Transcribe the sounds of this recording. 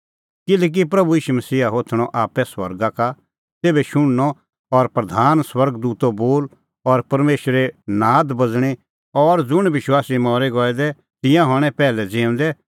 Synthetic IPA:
kɪlɛːk̬ip̬ɾɐbuiːʃumɐsiːɦaɦoːt̪ʰɽ̃ɔʔaːpɛswɐ̰ɾɡaka | seːbɛʃʊɽ̃nɔ | ɔɾpɾɐd̪ʱaːnswɐɾɡd̪uːt̪oboːl | ɔɾpɐɾmeːʃɾenaːd̪bɐd͡zɽ̃i | ɔɾd͡zʊɽ̃ʋɪʃwaːsimɔːɾɛɡɔːɛd̪ɛ | t̪ɪ̃jãɦɔɽ̃ɛ̃pɛːlɛd͡zẽːʊ̃nd̪ɛ

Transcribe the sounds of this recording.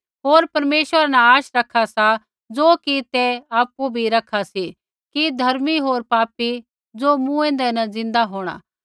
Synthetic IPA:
ɦoːɾpɐɾmeːʃəɾanɛ̃aːʃɾɐkʰːasa | d͡zoːkit̪ɛaːpubʱiɾɐkʰasi | kid̪ʱɐɾmiɦoːɾpaːpi | d͡zoːmũɛ̃ːnd̪ɛnɐ̃d͡zɪ̃nd̪aɦoːɽ̃a̰ː

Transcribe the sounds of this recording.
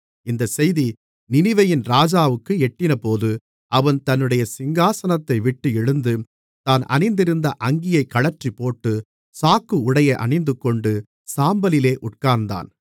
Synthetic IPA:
ɪnd̪ɐsɛjði | nɪnɪʋɐjɪnɾaːd͡ʒaːʋɯkːɯɛʈːɪnɐpoːðɯ | ɐʋɐnt̪ɐnːɯɽɐjɐsɪŋɡaːsɐnɐt̪ːɐɪʋɪʈːɯɛɻɯnd̪ɯ | t̪aːnɐ̰nɪnd̪ɪɾɯnd̪ɐʔɐŋɡɪjɐɪkːɐɭɐɾʈripːoːʈːɯ | saːkːɯʊɽɐjɐɪʔɐ̰ɳɐɪnd̪ɯkːɔɳɖɯ | saːmbɐlɪleːʔʊʈ̚kaːɾnd̪a̰ːn

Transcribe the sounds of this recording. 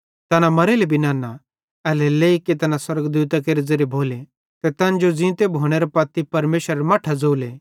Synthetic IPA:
t̪ɐnamɐɾelebʱinãːna | ɛlɛleːiket̪ɐnãswɐɾəɡd̪uːt̪ak̬eːɾid͡zɐɾjebʱoːle | t̪ɛt̪ɐ̃nd͡ʒod͡zɪ̃ːt̪ebʱoːɽ̃eɾepɐt̪ːipɐɾmeːʃəɾɐmaːʈʰad͡zoːle

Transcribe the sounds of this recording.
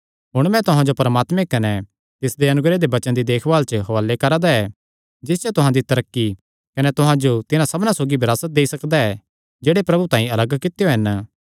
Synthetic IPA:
ɦʊɽ̃mɛ̃t̪ʊɦãd͡ʒopɐɾəmaːt̪mẽkɐne | t̪ɪsd̪eɐnʊɡɾed̪ebɐt͡ʃə̃nd̪id̪eːkʰʋaːlt͡ʃəɦoaːlekɐɾaːd̪aɛ | d͡ʒɪsd͡ʒat̪ʊɦãd̪it̪ɐɾəkːi | kɐnet̪ʊɦãd͡ʒot̪ɪnãsɐbnãsoːɡibɪɾaːsət̪̚d̪eːisɐkd̪aɛ | d͡ʒeːɽepɾɐbut̪ãːĩɐləɡkɪt̪ejoɦɐn

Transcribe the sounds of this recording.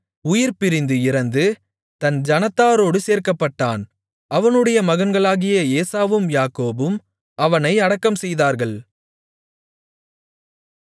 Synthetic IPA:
ʊjɪɾpɪɾɪnd̪ɯɪɾɐnd̪ɯ | t̪ɐnd͡ʒɐnɐt̪ːaːɾoːɽɯseːɾkɐpːɐʈːaːn | ɐʋɐnɯɽɐjɐmɐɣɐnɡɐɭaːɣɪjɐeːsaːʋɯmjaːkoːbɯm | ɐʋɐnɐɪɐɽɐkːɐmsɛjðaːɾɣɐɭ

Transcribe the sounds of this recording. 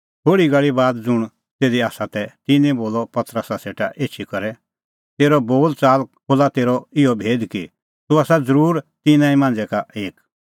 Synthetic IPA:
ɦoːɽiɡəɭibaːd̪d͡zʊɽ̃ | t̪eːd̪iaːsat̪ɛt̪ɪnɛ̃boːlɔpɐt̪ɾəsaseːʈaʔeːt͡ʃʰikɐɾɛ | t̪eːɾɔboːlt͡saːlkʰoːlat̪eːɾɔɪɔbʱeːd̪ki | t̪uaːsad͡zəɾuːɾt̪ɪnãːĩmãːnd͡zɛkaeːk

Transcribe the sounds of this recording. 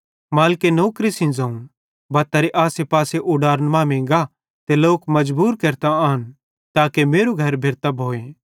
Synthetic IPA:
maːlkenoːkɾisɪ̃nzɐ̃ːũ | bɐt̪ɐɾeʔaːsepaːseʔʊɖaːɾənmãːmẽːŋɡa | t̪eloːkmɐd͡ʒbuːɾkɐɾt̪aaːɦən | t̪aːkemeːɾuɡʱɐɾbʱeɾt̪ɐbʱoːe

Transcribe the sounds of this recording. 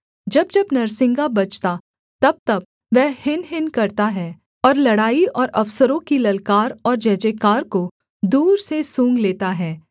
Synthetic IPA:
d͡ʒɐb̚d͡ʒɐbnɐɾsɪ̃ŋɡabɐt͡ʃt̪a | t̪ɐb̚t̪ɐb̚ | ʋɛɦhɪnɦɪnkɐɾt̪aɦɛː | ɔːɾlɐɽaːiʔɔːɾʔɐfsəɾõkilɐlkaːɾɔːɾd͡ʒɛɦd͡ʒeːkaːɾko | d̪uːɾsesũːŋɡleːt̪aɦɛː

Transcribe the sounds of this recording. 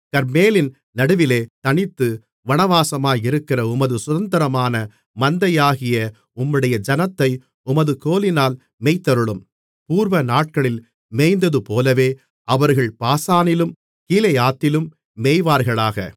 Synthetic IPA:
kɐɾmeːlɪn | nɐɽɯʋɪleːt̪ɐɳɪt̪ːɯ | ʋɐɳɐʋaːsɐmaːjɪɾɯkːɪrɐʊmɐðɯsʊðɐnd̪ɐɾɐmaːnɐ | mɐnd̪ɐjaːɣɪjɐ | ʊmːɯɽɐjɐd͡ʒɐnɐt̪ːɐɪ | ʊmɐðɯkoːlɪnaːl | mɛːɪt̪ːɐɾɯɭɯm | puːɾʋɐnaːʈ̚kɐɭɪl | meːjnd̪ɐðɯpoːlɐʋeː | ʔɐʋɐɾɣɐɭpaːsaːnɪlɯm | kiːlɐjaːt̪ːɪlɯmː | eːjʋaːɾɣɐɭaːɣɐ̰

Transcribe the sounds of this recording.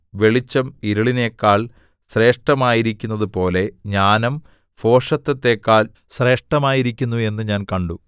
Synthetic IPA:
ʋe̞ɭit͡ɕːɐmiɾɐɭine̞ːkːaːɭ | ɕre̞ːʂʈɐmaːjiɾikʲːunːɐðɨpo̞ːle̞ɲaːnɐm | fo̞ːʂɐt̪ːɐt̪ːe̞ːkːaːl | ɕre̞ːʂʈɐmaːjiɾikʲːunːue̞nːɨɲaːnkɐɳɖu

